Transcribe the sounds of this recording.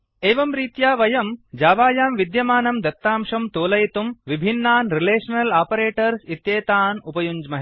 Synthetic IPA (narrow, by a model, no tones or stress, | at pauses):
eːʋɐmɾiːt̪jaːʋɐjɐmd͡ʒaːʋaːjaːmʋid̪jɐmaːnɐmd̪ɐt̪ːaːmʂɐmt̪oːlɐjt̪umʋibʱinːaːnɾileːʂɐnɐlaːpɐɾeːʈɐɾsit̪jeːt̪aːnupɐjuɲd͡ʒmɐɦ